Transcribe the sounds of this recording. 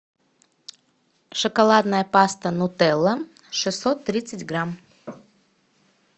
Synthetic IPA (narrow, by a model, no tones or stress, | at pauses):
ʂɨkɐlˠad̪nəjəpast̪ənʊt̪ɛlˠːə | ʂɨsːot̪ːɾʲit̪sətʲɡɾam